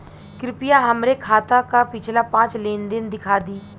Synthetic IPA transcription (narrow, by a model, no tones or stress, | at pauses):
kɾɪpɪjaɦəmɾekʰaːt̪akapɪt͡ʃʰlapãːt͡ʃlẽːnd̪ɪnd̪ɪkʰaːd̪iː